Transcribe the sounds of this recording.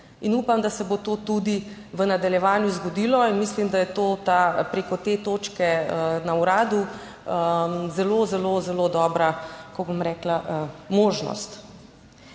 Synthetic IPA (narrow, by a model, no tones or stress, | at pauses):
inuːpamd̪asɛbot̪oːt̪ud̪i | ʋənad̪aljɛʋaːnjuzɡɔd̪ilɔinmislimd̪ajɛt̪oːt̪apɾeːkɔt̪eːt̪oːt͡ʃkɛənauɾaːd̪u | əzɛlozɛlozɛlod̪ɔːbɾakɔɡbomɾɛːklaʔəmoːʒnɔ̰st̪